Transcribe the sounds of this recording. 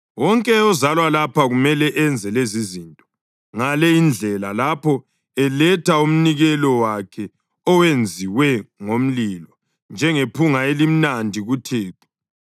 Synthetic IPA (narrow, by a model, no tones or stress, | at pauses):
wɔŋkʼɛɔzalwalapaɣumɛlɛʔɛnd͡zʱɛlezizintʼɔ̥ | ŋalɛind͡ɮʱɛlalapʰɔ | ɛlɛtʰaum̩niɣɛlɔwakʰɛ | ɔwend͡zʱiwɛŋom̩lilɔ | nd͡ʒʱɛŋepʰuŋaelim̩nandʱiɣutʰeːtʰɔ̥